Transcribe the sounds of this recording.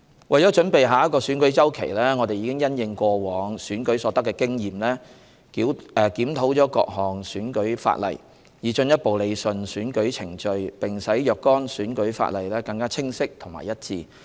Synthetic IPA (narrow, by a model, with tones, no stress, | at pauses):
wʔɐ˨jt͡ʃɔː˨˥t͡ʃɵ˨˥npe˨jɦaː˨˧jɐ˥tkɔː˧syː˨˥nkɵ˨˥ɥt͡sɐ˥wkʰe˨˩jlɛː˥ŋɔː˨˧t̪e˨jiː˨˧kɪ˥ŋjɐ˥njɪ˨˧ŋkʷɔː˧wɔː˨˧ŋsyː˨˥nkɵ˨˥ɥsɔː˨˥t̪ɐ˥kːɛː˧kɪ˥ŋjiː˨mlɛː˥ | kiː˨˥wɛː˨kiː˨˥mt̪ʰo˨˥wt͡sɔː˨˥kɔ̰ː˧k̚hɔː˨˩ŋsyː˨˥nkɵ˨˥ɥfa̰ː˧t̚lɐ̰˨˩j | jiː˨t͡ʃɵ˧njɐ˥t̚po˨wle˨˧jsɵ˨nsyː˨˥nkɵ˨˥ɥt͡sʰɪ˨˩ŋt͡ʃɵ˧ɥpɪ˨˩ŋsɐ˨˥jjœː˨kːɔː˥nsyː˨˥nkɵ˨˥ɥfa̰ː˧t̚lɐ˨˩jlɛː˥kɐ˧ŋkaː˥t͡sʰɪ˥ŋsɪ˥k̚t̪ʰʊ˨˩ŋma̰ː˨jɐ˥t̚t͡sḭː˧